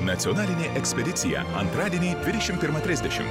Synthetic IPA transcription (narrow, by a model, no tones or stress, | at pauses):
nɐt̪sʲiɔnɑːlʲɪnʲeːʔɛksʲpʲɛd̪ʲɪt̪sʲɪjɛ̰ɐ̰nt̪ɾɑːd̪ʲieːnʲiːd̪ʲʋʲɪd̪ʲɛʃʲɪmpʲɪɾmɐt̪ʲɾʲɪzʲd̪ʲɛʃʲɪ̰m